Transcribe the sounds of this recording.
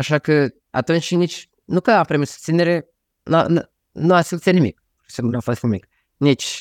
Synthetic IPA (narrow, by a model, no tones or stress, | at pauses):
aʃakə | a̰t̪unt͡ʃʲnit͡ʃʲ | nukəapɾimisu̥st̪sineɾe | na̰n | nuasilut̪sieanimḭk | senuafost̪nimik | nit͡ʃʲ